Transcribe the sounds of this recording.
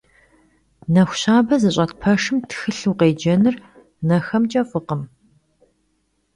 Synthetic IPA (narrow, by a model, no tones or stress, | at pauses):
nɐxʷʊɕaːbɐzɨɕ̬ʷʼɐtpʰɐʂɨmtʰxɨɬuːqeːd͡ʒɐnɨr | nɐxɐmt͡ʃʼɐfʼɨqəm